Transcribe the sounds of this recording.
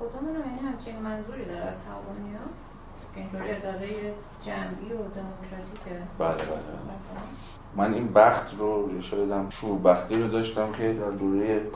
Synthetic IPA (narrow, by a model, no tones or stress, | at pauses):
xod̪ɒːmunæmjænihæmt͡ʃʰinimænzuːɾiːd̪ɒːɾæz̥t̪ʰæhɒvɒːniɒ | kʲʰeint̪ʰoːɾied̪ɒːɣeje | d͡ʒæmʔiːod̪emokʰɾɒt̪ʰiːcʰebælebæ̰lḛbæ̰lef | mæninbæxt̪ʰroeʃɒːjed̪æmʃuːɾbæxt̪iːɾod̪ɒːʃt̪æmcʲʰe̞d̪æɾd̪oːɾeje